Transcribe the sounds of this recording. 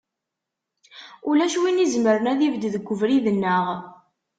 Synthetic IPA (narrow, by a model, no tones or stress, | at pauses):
ʊlæʃwinizməɾənæðivd̪ðəɡʷːəvɾiðənːəʁ